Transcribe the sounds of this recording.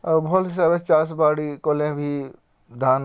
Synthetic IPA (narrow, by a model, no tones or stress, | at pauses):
bʱolɪs̬aːbet͡ʃaːsbaːɽikolẽbʱi | d̪ʱaːn